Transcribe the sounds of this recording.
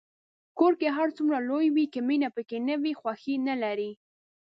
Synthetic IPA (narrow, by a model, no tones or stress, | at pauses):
koɾkeɦaɾt͡sumɾalojwikaminapəkenəwixwaxinalaɾi